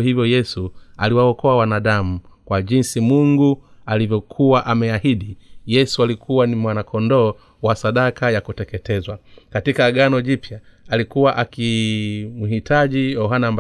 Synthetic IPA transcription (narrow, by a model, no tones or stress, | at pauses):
hivjɔjɛsua̰liwaɔkɔawanaɗamukwaʄinsimuŋɡualivjɔkʰuwaʔamɛahiɗijɛsualikʰuwanimwanakʰɔndɔː | wasaɗakajakutɛkɛtɛzwakatikaɡanɔʄipja | alikuwaʔakimuɦitʰaʄijɔɦanamb